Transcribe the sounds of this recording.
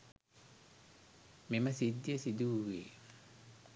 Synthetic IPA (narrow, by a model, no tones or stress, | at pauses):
memɐsid̪ːiəsid̪uweː